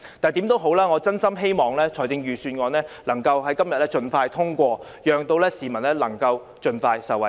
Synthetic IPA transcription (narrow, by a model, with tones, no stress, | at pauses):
t̪aː˨nt̪i˨˥mt̪o˥wɦo˨˧˥wlaː˥ŋɔ˨˧t͡sɐ˥nsɐ˥mɦe˥jmɔː˨ŋlɛː˥t͡sʰɔː˨˩jt͡sɪ˧ŋjyː˨syː˧nŋɔː˨˧nɛː˥lɐ˨˩ŋkɐ˧wɦɐ˨˥jkɐ˥mjɐ˨t̚lɛː˥t͡ʃɵ˧nfaː˧jt̪ʰʊ˥ŋkʷɔː˧ | jœː˨˩ŋt̪o˧wlɛː˥siː˨˩mɐ˨˩nlɛː˥lɐ˨˩ŋkɐ˧w | t͡ʃɵ˧nfaː˧jsɐ˨wɐ˨˩